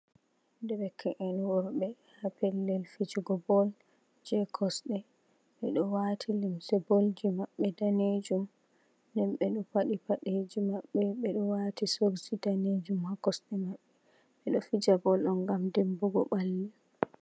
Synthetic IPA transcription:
dɛbɛkʰaʔɛnwɔɾɓɛ | hapɛlːɛlfid͡ʒuɡɔbɔl | d͡ʒɛkʰɔsɗɛ | ɓɛɗɔwatʰilimsɛbolɡimaɓːɛdaned͡ʒum | ndɛnɓɛɗɔpaɗipaɗed͡ʒimaɓːɛɓɛɗɔwatisoɾsidaned͡ʒumhakɔsɗɛmaɓːɛ | ɓɛɗɔfid͡ʒabɔlɗɔnɡamdembuɡɔ̰ɓalːi

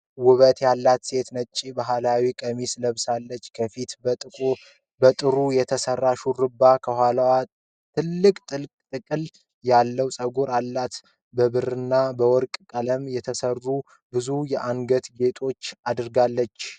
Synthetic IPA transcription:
wʊβət̪jalːat̪se̞t̪nət͡ʃʼːibaɦalawikʼəmisləβsalːət͡ʃːkʰəfit̪ʼɨkʼ | bət̪ʼɨɾujɛt̪ʰəsərːaʃurɨbːakʰəhalawa | t̪ʰɨlːɨkʼt̪ʼɨt̪ʼɨkʼɨl | jalːəwsʼəɡuɾalːat̪ | bəβɨɾɨnːabəwɔɾkʼkʼələmjɛt̪ʰəsərːu | bɨzujɛʔaŋɡət̪ɡe̞t̪ʰʼo̞t͡ʃːad̪ɾɡalːət͡ʃː

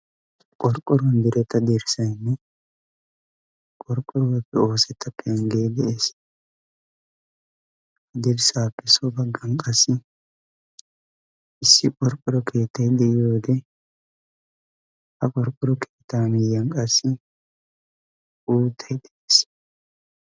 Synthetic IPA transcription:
kʼɔɾkʼːɔɾɔnd̪ɪɾɛt̪ːɐd̪ɛɾɪsɐjnːɛ | kʼɔɾkʼːɔɾɔwɛpːɛo̞ːsɛt̪ʰːɐpːɛɛŋɡeːd̪ɛʔeːs | ɐd̪ɛɾsaːpːɛsɔbɐɡːɐnkʼɐsːɪ | ʔɪsːɪkʼɔɾkʼɔɾɔkʰeːt̪ːɐjd̪ɛʔɪjoːd̪ɛ | hɐkʼɔɾkʼːɔɾɔkʰeːt̪ːaːmɪjːɐnkʼɐsːɪ | uːt̪ʰːɐjd̪ɛʔeːs

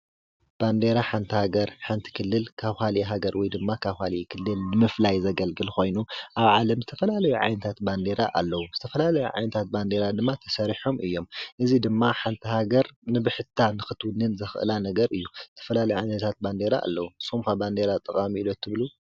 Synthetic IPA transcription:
b̥and̪e̞ɾaħant̪ʰihaɡɐɾħant̪ʰi̥kʰɨlːɨlkʰaβhaliɦaɡɐɾwɔjd̪ɨmːakʰaβhalikʰɨlːɨlnɨmɨflajzɐɡɐlɡɨlxo̞jnuʔaβʕalɐmzɨt̪ʰɐfɐlalɐjuʕa̰jnɐt̪ʰat̪band̪e̞ɾaʔalːɐwuz̥ɨt̪ʰɐfɐlalɐjuʕa̰jnɐt̪ʰat̪̚band̪e̞ɾad̪ɨmːat̪ʰɐ̥sɐɾiħo̞mʔɨjːo̞mʔɨzid̪ɨmːaħant̪ʰiɦaɡɐɾnɨbɨħɨt̪ʰːanɨxɨt̪wɨnɨnzɐxɨʔɨ̰lanɐɡɐɾɨjːuzɨt̪ʰɐ̥fɐlalɐjuʕajnɐt̪ʰat̪̚band̪e̞ɾaʔːlːɐwusomkʰaband̪e̞ɾat̪ʼːɐkʼamiilot̪ʰːɨβlu

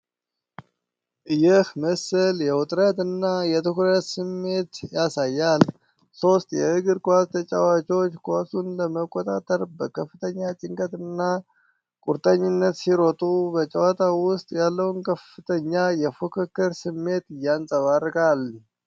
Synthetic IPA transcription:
jɪhməsəljɛwʊt̪ʼɾət̪ɨnːajɛt̪ɨɦɾət̪sɨmːe̞t̪jasajːal | so̞st̪ʼjɛɨɡɨɾkʼʷast̪ʰət͡ʃʼawat͡ʃo̞t͡ʃːkʰʷasunləməkʼːot̪ʼat̪ʼəɾbəkʰəfːɨt̪ʰəɲːat͡ʃʼɪŋkʼət̪ɨnːa | kʼuɾt̪ʼəɲːɪnːət̪siɾo̞t̪ʼubət͡ʃʼəwat̪ʰʼawʊst̪ʼjalːəwnkʰəfɨt̪ʰəɲːajɛfukʰɨkːɨɾsɨmːe̞t̪ɨjːansʼəβarːkʼal

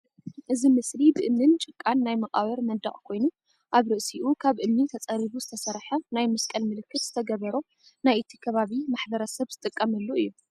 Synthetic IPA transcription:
ʔɨzimɨslibɨʔɨmnɨnt͡ʃʼɨkʼːanːajmɐqʼaβɐɾmɐd̪ɐχʼkʰo̞jnu | ʔaβɾɨʔsiʔukʰaβʔɨmnit̪ʰɐt͡sʼɐɾiβuzɨt̪ʰɐsɐɾħɐnajmɐskʼɐlmɨlɨkːɨt̪zɨ̥t̪ʰɐɡɐβɐɾo | najʔɨt̪ʰikʰɐβaβimaħbɐɾɐsɐβzɨt̪ʼɨkʼːɐmɐlːuɨjːu

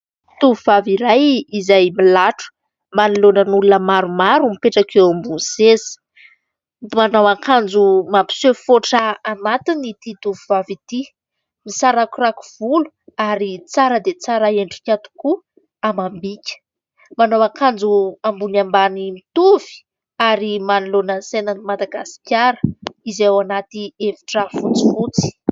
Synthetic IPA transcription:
t̪uvivaviɾajizajmilaʈ͡ʂu̥ | manilonənulunəmaɾumaɾumipeʈ͡ʂakewambunsezi̥ | manawakʰand͡zumampi̥sefoʈ͡ʂaanat̪init̪it̪uvivavit̪i | misaɾakuɾaku̥v̥ulu̥ | aɾit͡saɾəd̪et͡saɾaeɳɖ͡ʐi̥kʲat̪u̥ku | amambikʲə̥ | manawakand͡zuambunambanimit̪uvi̥ | aɾimanilonənsenənimad̪aɡasi̥kʲaɾə̥izewanat̪ieviʈ͡ʂəfunt͡si̥fut͡si̥

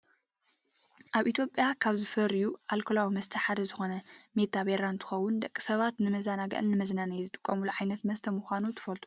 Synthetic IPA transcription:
ʔaβʔit̪ʰjo̞pʼjakʰaβzɨfɐɾjuʔalkʰolawimɐst̪ʰɐħad̪ɐzɨxo̞nɐmet̪ʰaβeɾant̪ʰɨ̥xɐwʊnd̪ɐkʼːi̥sɐβat̪nɨmɐzanaɡɐ̰ʔɨnːɨmɐznanajzɨt̪ʼɨkʼːɐmuluʕajnɐt̪mɐst̪ʰɐmuxʷanut̪ʰɨ̥fɐlt̪ʰu̥

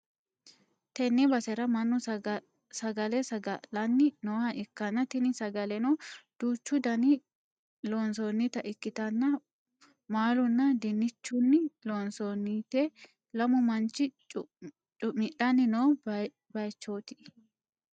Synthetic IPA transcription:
t̪ɛnːɛbɐsɛɾɐmɐnːʊ | sɐɡɐlɛsɐɐlɐnːɪnoːhɐʔɪkːɐnːɐt̪ɪnɪsɐɡɐlɛnod̪̥uːt͡ʃːʊd̪ɐnɪ | loːnsonːɪt̪ɐʔɪkːɪt̪ɐnːɐ | maːlʊnːɐd̪ɛnːɪt͡ʃːʊnːɪloːnsonːit̪ɛ | lɐmʊmɐnt͡ʃːɪ | t͡ʃʼʊmɪᶑɐnːɪnoː | bɐjt͡ʃːoːt̪ɪ̥

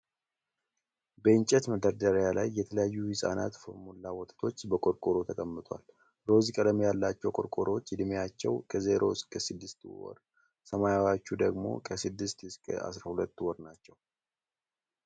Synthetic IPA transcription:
bəɨnt͡ʃʼɛt̪məd̪əɾd̪əɾjalajːɛt̪ʰələjajːujɪsʼa̰na̰t̪fmulːawɔt̪ʼt̪ʰo̞t͡ʃːbəkʼoɾkʼoɾot̪ʰəkʼəmːɨt̪ʰʼa̰l | ɾo̞zikʼələmjalːat͡ʃːɛwkʼoɾkʼoɾot͡ʃːd̪ɨmejat͡ʃːɛ̰wkʰəzeɾo̞ɨskʼəsɨd̪ːɨst̪wɔ̰ɾ | səmajawat͡ʃːud̪əɡmo̞̰kʰəsɨd̪ːɨst̪ɨskʼə̰ʔa̰sɾahulət̪ːwɔɾnat͡ʃːɛw

